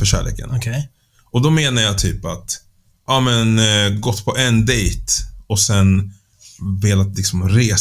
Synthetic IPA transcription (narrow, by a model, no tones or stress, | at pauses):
fœɕæ̰ːɭḛːkə̰n | ɔd̪ɔmeːnaɾjat̪ʰyːpa̰t̪ | ʔɑmɛnɡɔt̪ːpʰɔʔɛnd̪ɛjt̪ɔsɛn | veːlat̪lɪksɔmɾeː